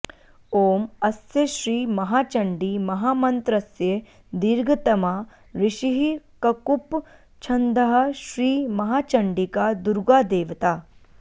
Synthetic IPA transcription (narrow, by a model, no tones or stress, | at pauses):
oːmɐsjɐɕɾiːmɐɦaːt͡ʃɐɳɖiːmɐɦaːmɐnt̪ɾɐsje | d̪iɾɡʱɐt̪ɐmaː | ɾiʃiɦikɐkup | t͡ʃʰɐnd̪ɐɦɐ̆ʃɾiːmɐɦaːt͡ʃɐɳɖikad̪uɾɡaːd̪eːʋt̪aː